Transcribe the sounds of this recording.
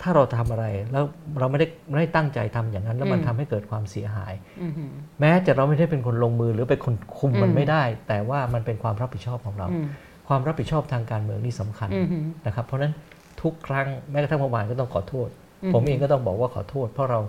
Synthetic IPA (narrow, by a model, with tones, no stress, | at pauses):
t̪ʰaː˥˩ɾa˧wt̪ʰa˧mʔa˧ɾa˧jlɛː˦˥wɾa˧wma˥˩jda˥˩jma˥˩da˥˩jt̪a˥˩ŋt͡ɕa̰˧jt̪ʰa˧mjaː˨˩ŋna˦˥nlɛ˦˥wma˧nt̪ʰa˧mha˥˩jkɤː˨˩t̪̚kʰwaː˧msi˩˦ɐɦa̰ː˩˦j | mɛː˦˥t͡ɕa˨˩ɾa˧wma˥˩jda˥˩jp̬e˧nkʰo˧nloː˧ŋmɯː˧ɾɯː˩˦pa˧jkʰo˧nkʰu˧mːa˧nma˥˩jda˥˩jt̪ɛː˨˩waː˥˩ma˧npe˧nkʰwaː˧mɾa˦˥p̚ʰhi˨˩t͡ɕʰɔː˥˩p̚kʰɔː˩˦ŋɾa̰˧w | kʰwaː˧mɾa˦˥p̚ʰːi˨˩t͡ɕʰɔː˥˩p̚t̪ʰaː˧ŋkaː˧nmɯ˧əŋniː˥˩sa˩˦mkʰa˧nna˦˥kʰa˦˥pʰːɔ˧˥na˦˥n | t̪ʰu˦˥kʰːɾa˦˥ŋmɛː˦˥ka˧˩t̪ʰa˥˩pɔ˧wmaː˧nkɔː˥˩t̪ɔ˥˩ŋkʰɔ̰ː˨˩˦t̪ʰoː˥˩t̪̚ | pʰo˩˦mʔeː˧ŋkɔ˥˩t̪ɔ˥˩ŋbɔː˨˩k̚waː˥˩kʰɔː˨˩˦t̪ʰoː˥˩t̪̚pʰɾɔ˦˥ɾa˧w